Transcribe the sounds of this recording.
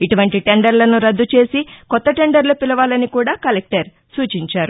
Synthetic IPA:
iʈuʋɐɳʈiʈe̞ɳɖɐɾlɐnuɾɐd̪ːut͡ʃe̞ːsikɔt̪ːɐʈe̞ɳɖɐɾlupilɐʋaːlɐnikuːɽaːkɐlek̚ʈɐɾ | suːt͡ʃiɲt͡ʃaːɾu

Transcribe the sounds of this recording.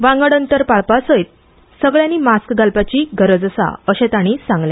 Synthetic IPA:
ʋãŋɡəɽənt̪əɾpaɭpasəjt̪̚ | səɡɭjãniːmaskɡalpat͡ɕiːɡʱəɾəd͡zəsa̰əɕet̪aɽ̃iːsãŋɡlẽ

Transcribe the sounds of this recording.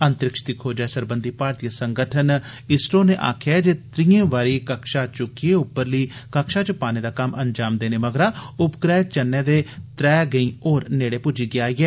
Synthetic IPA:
ənt̪ɾɪkʃə̥t̪ikʰoːd͡ʒaːeːsəɾbənd̪iːpaːɾt̪ijəsəŋɡəʈʰən | ɪsʈoːneːʔa̰ːkʰjad͡ʒeːt̪ɾijẽːʋaːɾiːkəkʃaːt͡ʃʊkieːʊpːəɾliːkəkʃaːt͡ʃʊpaːneːd̪aːkəməɲd͡ʒaːmd̪eːneːməɡɾaːʊpkɾɛːt͡ʃənːɛ̃ːd̪eːt̪ɾɛːɡəĩːoːɾneːɽeːpʊd͡ʒiːɡɪaːiːɛː

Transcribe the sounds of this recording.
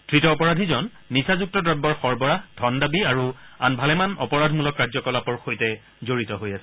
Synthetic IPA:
tʰɹitɔːpɔɹadʱizɔnːisazuk̚tɔdɹɔbɔɹxɔɹbɔɹadʱɔndabiaɹuanbʱalɛmanɔ̰pɔɹadʱmulɔkːaɹzɔkɔlapɔɹxojtɛ | zoɹitɔɦojasɛ

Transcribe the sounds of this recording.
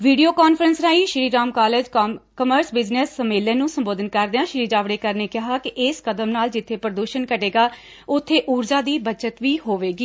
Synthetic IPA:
ʋiːɖijoːkaːnfʰəɾənsnaːiːʃɾiːɾaːmkaːleːd͡ʒkəməɾsbɪd͡ʒnəsəmeːlẽːnũːsəmboːd̪ənkəɾd̪eːãːʃɾiːd͡ʒaːʋɽeːkəɾneːkɪɦaːkɪʔɪskəd̪əmnaːld͡ʒɪt̪ʰːeːpəɾəd̪uːʃənkəʈeːɡaː | ʊt̪ʰːeːʔuːɾd͡ʒaːd̪iːbət͡ʃət̪ʋiːɦoːʋeːɡiː

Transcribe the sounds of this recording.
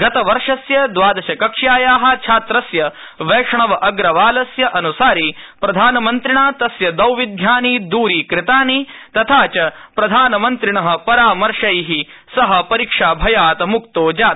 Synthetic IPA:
ɡɐt̪ɐʋɐɾʂɐsjɐd̪ʋaːd̪ɐʃɐkɐkʂjaːjaːɦɐ̆t͡ʃʰaːt̪ɾɐsjɐ | ʋeːʂɐɳɐʋɐʔɐɡɾɐʋaːlɐsjɐʔɐnusaːɾi | pɾɐd̪ʱaːnɐmɐnt̪ɾɪɳaːt̪ɐsjɐd̪ɐwʋid̪ʱjaːniːd̪uːɾiːkɾɪt̪aːnit̪ɐt̪ʰaːt͡ʃɐpɾɐd̪ʱaːnɐmɐnt̪ɾɪɳɐɦɐ̆pɐɾaːmɐɾʂɐjɦisɐɦɐ̆pɐɾikʂaːbʱɐjaːt̪ɐmuk̚t̪oːd͡ʒaːt̪̚

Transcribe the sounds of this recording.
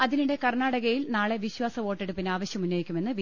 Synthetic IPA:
ɐðiniɽe̞kɐrnaːɽɐɣɐjilnaːɭe̞ʋiɕwaːsɐʋo̞ːʈːeɽupːinaːʋɐɕjɐmunːoːjikʲːume̞nːɨʋi

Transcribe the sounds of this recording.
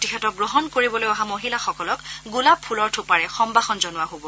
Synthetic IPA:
tikʰɛtɔk̚ɡɹɔɦɔnkoɹibɔlojɔɦamoɦilaxɔkɔlɔkɡulapʰulɔɹtʰʊpaɹɛxɔmbaxɔnzɔnʊwaɦobɔ

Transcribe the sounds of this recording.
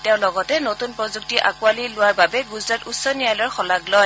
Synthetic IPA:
tɛʊ̃lɔɡɔtɛnotunpɹɔzuk̚tiʔa̰kualilʊwaɹbabɛɡuzɹatutsɔniajlɔɹxɔlaɡlɔj

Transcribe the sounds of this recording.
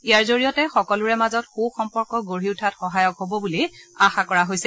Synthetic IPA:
ijaɹzoɹijɔtɛxɔkɔlʊɹɛmazɔtxuxɔmpɔɹkɔɡoɹiʊtʰatxɔɦajɔkɦobɔbuliaxakɔɹaɦojsɛ

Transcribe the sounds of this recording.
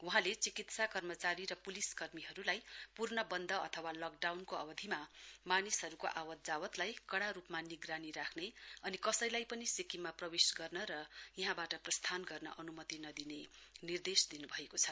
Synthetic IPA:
wʌɦãlet͡sikit̪sakʌrmʌt͡saɾiɾʌpuliskʌrmiɦʌɾulajpurnʌbʌnd̪ʱʌʌt̪ʰʌwalʌk̚ɖawnkoʌ̰bʌd̪ʱimamanisɦʌɾukoʔawʌt̪̚d͡zawʌt̪lajkʌɽaɾupmaniɡraniɾakʰneʌnikʌsʌjlajpʌnisikimaprʌwesɡʌrnʌɾʌjiɦãbaʈʌprʌst̪ʰanɡʌrnʌ̰ʔʌnumʌt̪inʌd̪inenird̪esd̪inubʱʌekot͡sʰʌ

